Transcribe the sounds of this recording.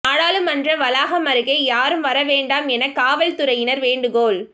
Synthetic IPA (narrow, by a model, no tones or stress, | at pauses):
aːɻaːlɯmɐndrɐʋɐlaːɣɐmɐɾɯɣɐɪjaːɾɯmʋɐɾɐʋeːɳɖaːmɛnɐkaːʋɐɭt̪ʊɾɐjɪnɐɾʋeːɳɖɯɣoːl